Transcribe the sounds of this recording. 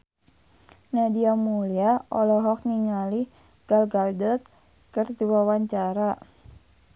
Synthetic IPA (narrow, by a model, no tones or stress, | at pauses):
nadiamuliaɔ̰lɔɦɔk̚niŋalih | ɡ̥alɡaldət̪̚ | kərt̪iwawaɲt͡ʃaɾa